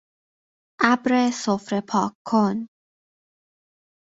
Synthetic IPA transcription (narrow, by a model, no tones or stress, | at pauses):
ʔæbɾesofɾepʰɒːkʰːon